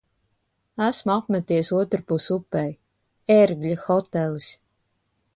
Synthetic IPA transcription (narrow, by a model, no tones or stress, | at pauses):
æsmuapmæt̪ijsuɔt̪ɾpusupːɛj | eɾɡlʲixɔt̪ɛlˠisʲ